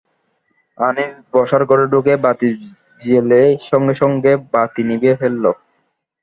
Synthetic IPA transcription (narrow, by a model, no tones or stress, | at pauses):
anisbɔʃaɾkoɾeɖokebat̪i | d͡ʑeleʃɔŋɡeʃɔŋɡebat̪inibefelːo